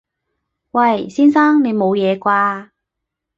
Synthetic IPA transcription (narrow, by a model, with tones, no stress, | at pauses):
wɐ˧˩jsiː˥nsaː˥ŋne˨˧jmo˨˧wjɛː˨˧kʷaː˧